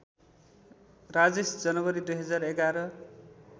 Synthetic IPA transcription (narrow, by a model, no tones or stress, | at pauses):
rad͡zesd͡zʌnʌbʌɾid̪ujɦʌd͡zareɡaɾʌ